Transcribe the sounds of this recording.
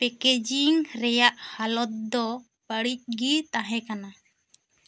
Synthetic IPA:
pɛked͡ʒiŋɾɛjaʔhalɔt̪̚d̪ɔ | bəɽic̚ˀɡit̪ãɦɛ̃kana

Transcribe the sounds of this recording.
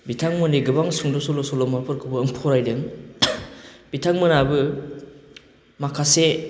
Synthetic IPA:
bitʰaŋmɯniɡɯbaŋsuŋdɔsɔlɔsɔlɔmaɾpʰɯɾkʰɯbɯːŋpʰɔɾajdɯŋ | b̥itʰaŋmɯnabɯ | makʰase

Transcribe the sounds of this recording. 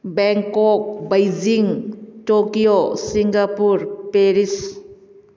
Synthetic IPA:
bɛŋkɔk̚bajd͡ʒiŋtokijosiŋɡapuɾpeɾis

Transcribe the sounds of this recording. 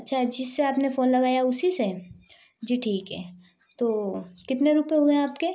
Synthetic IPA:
ɐtːʃʰad͡ʒɪsːeaːpnefoːnlɐɡaːjaʊsise | d͡ʒiːʈʰiːkɦɛː | t̪oːkɪt̪neɾupeɦueaːpke

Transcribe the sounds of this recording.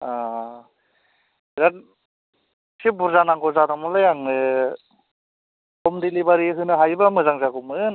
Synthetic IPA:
a | iɾat | sibuɾzanaŋɡɔzadamɔlajaŋnɯ | kɔmdilibaɾiɦɯnɯɦajbamɯzaŋzaɡɔmɯn

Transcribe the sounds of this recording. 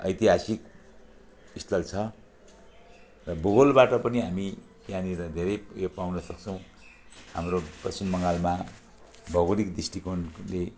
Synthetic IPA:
ʌ̰jt̪iɦasik | ist̪ʌlt͡sʰʌ | rʌboɣolbaʈʌpʌniɦamikjaniɾʌd̪ʱeɾʌjjopawnʌsʌkt͡sʰʌ̃w̃ | hamroprʌsimːʌŋalma | bʱʌɣoɾikd̪isʈikonle

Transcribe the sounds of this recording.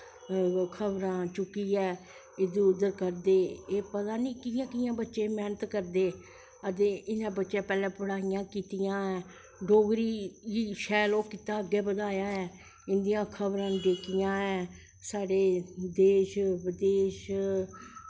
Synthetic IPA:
kʰəbɾãːt͡ʃʊkːiːɛː | ɪd̪ũːʊd̪əɾkəɾd̪eːeːpət̪aːnĩːkɪjãːkɪjãːbətːʃẽːmɛːnət̪kəɾd̪eː | ət̪eːʔɪnãːbətːʃẽːpɛːlɛ̃ːpəɽaːijãːkiːt̪ijãːɛː | ɖoːɡɾiːiːʃɛːloːkːɪt̪aːəɡːeːbəd̪aːjaːɛː | ɪnd̪ijãːkʰəbɾãːd̪eːkɪjãːɛː | saːɖeːd̪eːʃʋəd̪eːʃ

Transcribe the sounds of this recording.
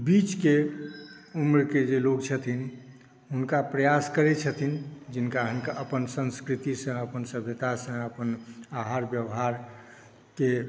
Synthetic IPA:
bit͡ʃke | umɾked͡ʒelokt͡ʃʰət̪ʰin | ɦunkapɾəjaskəɾɛt͡ʃʰət̪ʰind͡ʒinkaɦənkaəpənsə̃nskɾit̪isə̃əpənsəbʱjət̪asə̃əpənaɦaɾbjəwɦaɾ | ke

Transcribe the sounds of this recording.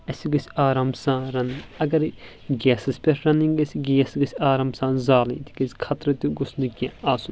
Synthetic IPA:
ɐsiɡɐsʲiaːɾaːmsãːɾɐniɐɡɐɾ | ɡʲɛːsɨspʲɐɾɾɐniŋɡɐsiɡeːsɡɐsʲaːɾaːmsãːnzaːlḭ̃ːt̪ʰi̥kɐsi̥kʰɐt̪ɾɐt̪uɡʊsnɨkʲãaːsun

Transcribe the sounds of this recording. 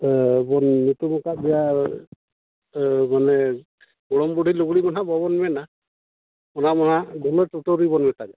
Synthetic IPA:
bɔnnit̪umɔkaʔbija | manɛ | ɡɔɽɔmbuɖʱiluɡɽimɔnabɔbɔnmɛna | ɔnamɔɦaɡɔlɔʈuʈoɾibɔnmɛt̪aɡɛ

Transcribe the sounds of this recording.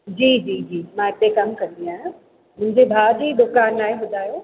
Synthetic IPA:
d͡ʑiːd͡ʑiːd͡ʑiːmãɪt̪ekɐmkɐ̃nd̪iaːɦʊ̃ | mʊ̃ɦɪ̃ɲd͡ʑebʱaːdiːd̪ʊkaːnaːɦẽɦʊd̪ʱaːjoː

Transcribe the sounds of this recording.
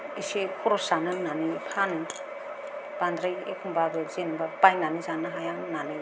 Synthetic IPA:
isekʰɔɾɔsanɯnanɯjpʰanɯ | b̥andɾajḛkʰumbabɯzenbapajnanizanɯɦajannanɯj

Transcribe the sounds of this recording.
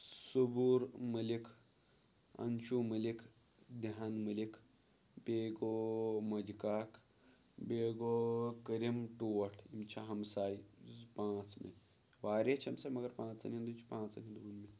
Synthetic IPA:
subuːɾmɐlikʰ | ɐ̰nʃuːmɐlikʰ | d̪aanmɐlikʰ | beːɡoːmɐd͡ʒikaːk | beːɡoːkəɾimʈoːʈʰimt͡ʃʰaɦɐmsaːj | pãːt͡smḛ | ʋaːɾet͡ʃʰɐmsaːmɐɡɐɾpãːt͡sɐ̰nind̪ut͡ʃʰi̥pãːt͡sɐnʲid̪uːnme

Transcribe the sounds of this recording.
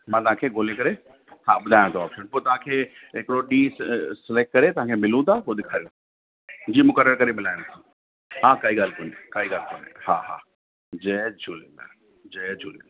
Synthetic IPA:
mãːt̪ɐɦãːkʰeɡʱoːlẽkɐɾe | haːɓʊd̪ʱaːj̃t̪ʰoɔːpʃənpoːt̪ɐɦãːkʰeːɦɪkɪɽoɗiːsɪlek̚ʈ̚kɐɾet̪ɐʋ̤ãːkʰemɪlũt̪ʰapoːd̪ɪkʰaːɾijũ | d͡ʑiːmʊkəɾəɾkɐɾemɪlaːjãt̪ʰo̥ | ɦãːkaːiɡaːlkʊnekaːiɡaːlkonehaːɦa̰ː | d͡ʑɛd͡ʑʰʱuːlela̰ | d͡ʑɛːd͡ʒʱulela

